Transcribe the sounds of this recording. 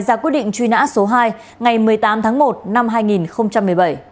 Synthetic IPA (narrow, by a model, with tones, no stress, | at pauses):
jzaː˧˩kwi˦˥ət̚ɗḭ˧˨ŋ̟t͡ɕwi˧na̰ː˧˥so˨˦ɦaː˧j | ŋa˨˩jmɨ˨˩əjt̪aː˨˦mt̪ʰaː˨˦ŋmo˨˩t̚na˧mɦaː˧jŋi˨˩nxə˧wŋ͡mt͡ɕa˧mːɨ˨˩əjɓə˧˩j